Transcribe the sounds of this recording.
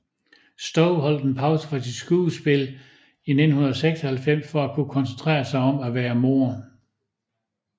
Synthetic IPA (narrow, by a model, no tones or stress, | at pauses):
sd̥ɒʊɦɒ̽l̰d̥enpʰɑ̈ʊsə̥fʁɑ̈sid̥sɡ̥uːsb̥e̝l | ine̝dn̩hunɐðˠseɡ̥sɒhælfem̰sfɒ̽ækʰukʰɒ̽nsent͡sʰʁɛ̰ːɐsɑ̈ɪɒ̽mæʋæːɐmo̝̰ːɐ